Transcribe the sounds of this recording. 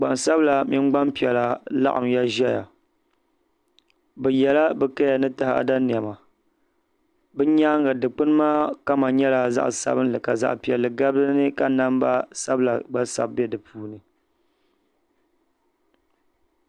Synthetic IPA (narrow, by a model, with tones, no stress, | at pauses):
ɡ͡ba˨nsa˦bla˨mɪ˦nɡ͡ba˦mpi˨ɛ˨la˨la̰˦ʔa̰˨mja˦ʒɛ˦ja̰˨ | bɛ˨jɛ˨la˦bɛ˨ka˦ja˨nɨ˦tɨ˦ha̰˦˨da˦ni˨ɛ˨ma˨ | bɨ˦ɲaː˦ŋɡa˨dɨ˨k͡pɨ˦n˦maː˦ka˦ma˨ɲɛ˦la˨za̰˦ʔsa̰˦bɨ˦n˦lɨ˨ka˨za̰˦ʔpi˨ɛ˨lːɨ˨ɡa˦bdɨ˦nɨ˦ka˦na˦mba̰˦sa˦bɨ˦la˨ɡ͡ba˦sa̰˦bbɛ˦dɨ˨pʰuː˦nɨ˨